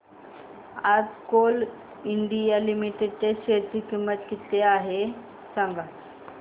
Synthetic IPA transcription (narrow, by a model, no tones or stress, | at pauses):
ad͡zkol | iɳɖijalimiʈeɖ̚t̪eɕeɾt̪ikimːət̪kit̪eaɦe | sãŋɡa